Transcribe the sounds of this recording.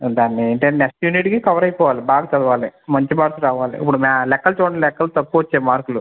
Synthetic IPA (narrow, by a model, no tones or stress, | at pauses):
d̪aːnːieːɳʈeneksʈjuːniʈkikɐʋɐɾɐjpɔːʋaːlibaːɡɐt͡ʃɐd̪ɐʋaːlimɐɲt͡ʃimaːɾklɾaːʋaːlḭipːuɽumalɛkːɐlt͡ʃoːɳɐlɛkːɐlut̪ɐkːuʋɐt͡ʃːeːmaːɾkulu